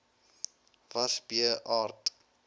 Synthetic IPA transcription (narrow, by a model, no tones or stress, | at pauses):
vɐsbiəʔɑːrt